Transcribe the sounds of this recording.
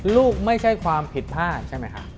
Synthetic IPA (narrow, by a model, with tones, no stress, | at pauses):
luː˥˩k̚ma˥˩jt͡ɕʰa˥˩jkʰwaː˧mpʰi˨˩t̪̚pʰaː˥˩t͡ɕʰa˥˩jma˦˥jkʰa̰˦˥ʔ